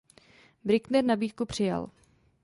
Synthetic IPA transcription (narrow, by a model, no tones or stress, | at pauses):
bɾɪknɛɾnabiːt̪kupr̝̥ɪja̰l